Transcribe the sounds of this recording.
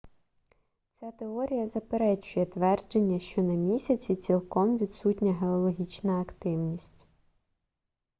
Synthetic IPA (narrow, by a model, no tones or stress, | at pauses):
t͡sʲat̪e̞ɔɾʲijɐzɐpeɾɛt͡ʃʊjɛt̪ʋɛrd͡ʒe̞nʲːɐʃt͡ʃɔnɐmʲisʲɐt͡sʲit͡sʲilˠkɔmʋʲid̪sutʲnʲɐɦeɔlˠɔɦʲit͡ʃnɐːkt̪ɪwnʲisʲtʲ